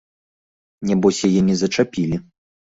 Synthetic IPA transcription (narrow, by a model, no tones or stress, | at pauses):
nʲɛbɔsʲjajɛnʲɛzɐt͡ʂapʲilʲi